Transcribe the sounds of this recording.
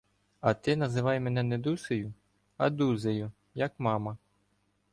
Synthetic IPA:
ɐt̪ɪnɐzɪʋɑjmɛnɛnɛd̪usejʊ | ɐd̪uzejʊ | jɐkmɑmɐ

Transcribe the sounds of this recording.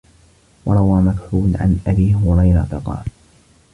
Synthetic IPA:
wɑɾˤɑwaːmak̪ħuːlʕa̰nʔabiːhʊɾˤɑjɾˤɑt̪aqɑ̰ːl

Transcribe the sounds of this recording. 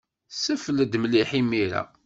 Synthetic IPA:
səfəld̪mliħimiɾæ̰

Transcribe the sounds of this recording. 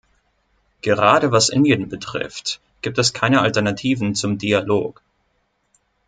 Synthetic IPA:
ɡ̥əʁaːɾəvasʔɪ̰ndjənbətʁ̥ɪ̰ft | ɡ̥iːp̚tɛskʰaɪnəaltɛɐnatʰiːvn̩t͡sʊmdialoːk

